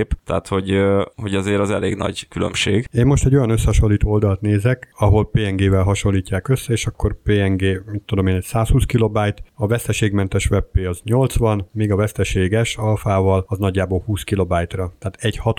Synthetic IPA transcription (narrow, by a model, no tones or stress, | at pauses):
pt̪ɛ̰at̪ho̞ɟho̞ɟɒzeːɾɒzɛ̰lḛːɡnɒ̰ɟkylø̰mʃeːɡeːnmo̞ʃt̪ɛɟo̞jɒnøsːɛhɒʃo̞lːiːt̪oːold̪ɒlt̪neːzɛkɒɦo̞lpeːɛŋɡeːvɛlɦɒʃo̞nlːiːcːaːkøsːɛeːʃɒkːo̞rpeːɛŋɡeːmit̪ːud̪o̞meːnɛcsaːshuːskilo̞baːjt̪ɒvɛst̪ɛʃeːɡmɛnt̪ɛʃʋɛpːeːɒzɲo̞lt̪sʋɒnmiːɡɒvɛst̪ɛʃeːɡɛʃɒlfaːvɒlɒznɒɟːaːboːlhuːskilo̞baːjt̪rɒt̪aːt̪ɛɟhɒt̪